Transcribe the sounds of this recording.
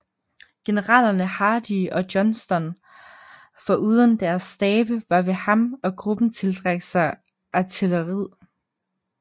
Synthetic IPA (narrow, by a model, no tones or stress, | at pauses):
ɡ̥e̝nəʁɑ̰ːlɐnəhɑ̈ːd̥iɒ̽d̥jɒ̽nsd̥ɒ̽n | fɒ̽ʔuːð̞ˠənd̥æɐsːd̥ɛːb̥əʋɑ̈ʋe̝hɑ̈mɒ̽ɡ̥ʁub̥n̩t͡sʰe̝ld̥ʁɑɡ̥sɑ̈ɪ | ʔæt͡sʰiləʁið̰ˠ